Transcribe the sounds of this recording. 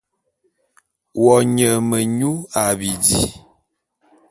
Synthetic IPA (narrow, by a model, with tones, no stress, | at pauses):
wɔ˨ɲə˨mə˨ɲu˦a˨bi˨dḭ˦